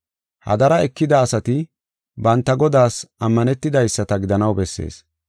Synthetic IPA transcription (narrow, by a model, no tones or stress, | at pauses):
hɐ̰d̪ɐɾɐɛkːɪd̪ɐːsɐt̪ɪ | bɐnt̪ːɐɡɔd̪aːsɐmːɐnɛt̪ːɪd̪ɐjsːɐt̪ɐɡɪd̪ɐnɐwbɛsːe̞̰ːs